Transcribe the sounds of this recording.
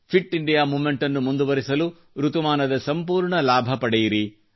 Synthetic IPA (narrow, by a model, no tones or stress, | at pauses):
pʰiʈːiɳɖijaːmuːmeɳʈɐnːumund̪uʋɐɾisɐlu | ɾut̪umaːnɐd̪ɐsɐmpuːɾɳɐlaːbʱɐpɐɽɛjiɾi